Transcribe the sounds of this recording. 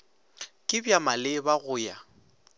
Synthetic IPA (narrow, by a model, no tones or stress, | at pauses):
kʼɪbjamalɪbaɣʊːja